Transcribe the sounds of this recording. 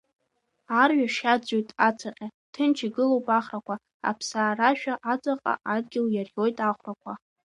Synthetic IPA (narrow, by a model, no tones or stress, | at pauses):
arɥaʂad͡zojtʼat͡sʰaqʲʼa | tʰɨnt͡ʃʰiɡɨlowpʼaχrakʷʰa | a̰pʰsaːraʃᶣaʔat͡sʼaqʼa̰ʔadɡʲɪljarjo̞jtʼaχʷrakʷʰa